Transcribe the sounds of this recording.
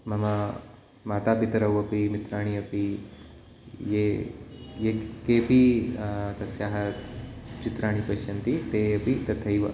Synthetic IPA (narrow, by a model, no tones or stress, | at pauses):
mɐmɐ | maːt̪aːpit̪ɐɾɐwɐpimit̪ɾaːɳ̃iɐpi | je | jeːkeːpi | t̪ɐsjaːɦɐ | t͡ʃit̪ɾaːɳ̃ipɐʃɐnt̪it̪eːɐpit̪ɐt̪ʰɐjʋɐ